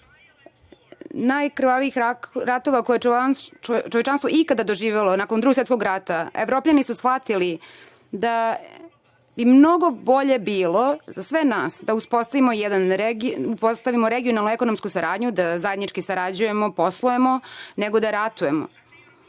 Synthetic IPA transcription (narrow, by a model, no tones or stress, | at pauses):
najkr̩ʋaʋiixɾat̪o̞ʋakoje | t͡ʃoʋet͡ʃanst̪ʋoikad̪ad̪o̞ʒiːʋelo̞nakond̪ɾuɡos̬et̪ko̞ɡɾat̪aevɾo̞ːpʎanisusxʋat̪ili | d̪a | bimno̞ɡo̞bo̞ʎe̞biːlo̞zasʋe̞naːsd̪auspo̞st̪aʋimojɛd̪anɾeɡiupost̪aʋimoɾeɡijo̞nalˠnue̞kono̞mskusaɾaːd̪ɲud̪azaje̞d̪nit͡ʃkisaɾad͡ʑuje̞moposlˠue̞moneɡo̞d̪aɾat̪uje̞mo̰